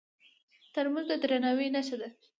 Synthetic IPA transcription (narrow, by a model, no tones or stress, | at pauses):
t̪əɾmanzd̪əd̪ɾanawenaʃad̪a